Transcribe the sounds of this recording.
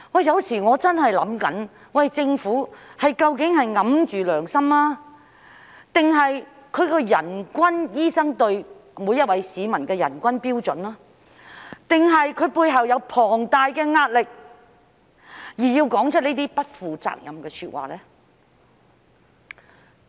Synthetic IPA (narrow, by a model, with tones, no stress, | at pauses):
wɐ˨jɐ˨˧wsiː˨˩ŋɔː˨˧t͡sɐ˥nhɐ˨jlɐ̰˨˥mkɐ̰˨˥n | wɐ˨jt͡sɪ˧ŋfuː˨˥hɐ˨jkɐ˧wkɪ˨˥ŋhɐ˨jŋɐ˨˧˥mt͡ʃyː˨lœː˨˩ŋsɐ˥mlaː˥ | t̪ɪ˨ŋɦɐ˨jkʰɵ˨˧ɥkɔː˧jɐ˨˩nkʷɐ˥njiː˥sɐ˥ŋt̪ɵ˧ɥmuː˨˧jɐ˥t̚wɐ˨˧˥jsiː˨˧mɐ˨˩nkɛː˧jɐ̰˨˩nkʷɐ˥npiː˥wt͡sɵ̰˨˥nlaː˥ | t̪ɪ˨ŋɦɐ˨jkʰɵ˨˧ɥpuː˧jɦɐ˨wjɐ˨˧wpʰɔː˨˩ŋt̪aː˨˧jkɛː˧ŋaː˧t̚lɪ˨k̚ | jiː˨˩jiː˧wkɔː˨˥ŋt͡ʃʰt̚niː˥t̪iː˥pɐ˥t̚fuː˨t͡sa̰ː˧k̚jɐ̰˨mkɛː˧syː˧t̚wa̰ː˨lɛː˥